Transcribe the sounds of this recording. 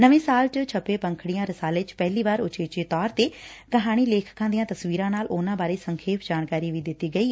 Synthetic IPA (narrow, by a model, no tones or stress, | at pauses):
nəʋẽːsaːlt͡ʃət͡ʃʰəpeːpə̃ŋkʰɽɪjãːɾəsaːlet͡ʃpɛɦliːʋaːɾʊt͡ʃeːt͡ʃeːt̪ɔːɾt̪eː | kəɦaːɽ̃iːleːkʰkãːd̪ijãːt̪əsʋiːɾãːnaːlʔʊːnãːbaːɾeːsəŋkʰeːpʰd͡ʒaːnkaːɾiːʋiːd̪ɪt̪ːiːɡəiː